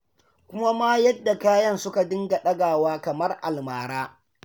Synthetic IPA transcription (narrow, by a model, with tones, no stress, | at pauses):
kʷʊ˦ma˦maː˦jɐ˦dːa˨kaː˦jɐ˦nsʊ˦ka˨dɪ˦ŋɡa˨ɗɐ˦ɡaː˨waː˦kɐ˨mɐ˦rʔa̰˨lmaː˨ɾaː˦